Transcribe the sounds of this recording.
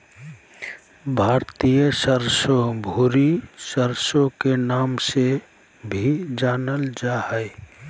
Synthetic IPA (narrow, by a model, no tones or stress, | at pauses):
bʱaːɾt̪ijəsəɾsobʱuɾisəɾsokenaːmse | bʱid͡ʒaːnəld͡ʒahəɪ